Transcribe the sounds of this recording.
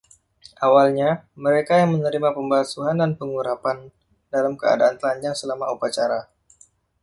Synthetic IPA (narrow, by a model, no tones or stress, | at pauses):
ʔawalɲaməɾekajaŋmənəɾimapəmbasuɦandanpəŋuɾapan | dalamkəa̰daant̪əlaɲd͡ʒaŋsəlamaupat͡ʃaɾa